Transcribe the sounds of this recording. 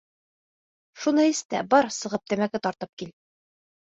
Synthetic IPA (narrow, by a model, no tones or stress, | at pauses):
ʃunɤist̪æbɒɾsɤ̆ʁɤp̚t̪æmækɘt̪ɒɾt̪ɤp̚kil